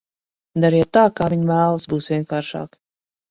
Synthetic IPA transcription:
d̪aɾiɛt̪ːaːkaːvʲiɲmæːlˠɨsbuːsvʲiɛnkaːɾʃa̰ːk

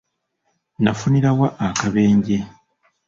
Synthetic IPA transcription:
nafuniɾawaʔːkaβe̞ːɲɟe̞

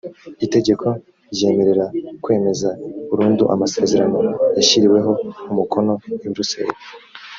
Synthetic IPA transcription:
ite̞ɟe̞kʰo̞ | ɾje̞ːme̞ɾe̞ɾakwe̞ːme̞zaβuɾuːnduʔa̰mase̞ːze̞ɾano̞jaçiɾiwe̞ɦo̞umukʰo̞no̞wiβiɾuseɾi

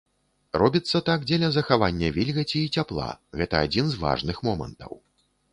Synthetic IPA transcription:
rɔbʲit̪sːɐt̪aɡd͡zʲɛlʲɐzɐxavanʲːɐvʲilʲɣɐt͡sʲiːt͡sʲaplˠa̰ɣɛt̪ɐad͡zʲinzva̰ʐnɨxmɔmɐ̰nt̪ɐ̰w

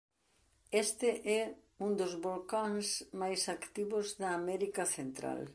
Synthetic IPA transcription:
ɛst̪ɪʔɛ | und̪ʊzβolkaŋsmajsakt̪iβʊzðɐːmɛɾikɐθent̪ɾa̰l

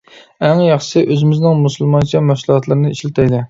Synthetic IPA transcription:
æŋjɑχʃsɨɪʔøzɪmɪznɪŋmusulˠmɑnt͡ʃʰɑmɛfslˠhɑt̪lˠɨɾnɨiʃlɪt̪ʰɛjd̪ɪ

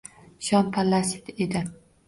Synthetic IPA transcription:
ʃɒnpʰalːasit̪ed̪ɪ

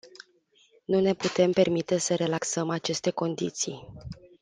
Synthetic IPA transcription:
nune̞put̪e̞mpe̞rmit̪e̞səɾe̞laksəmat͡ʃe̞st̪e̞ko̞nd̪ḭt̪sij

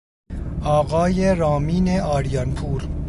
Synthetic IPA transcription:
ɒːɣɒːjeɾɒːmiːneɒːɾijɒnpʰuːɾ

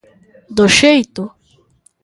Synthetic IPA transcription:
d̪oʃejt̪ʊ

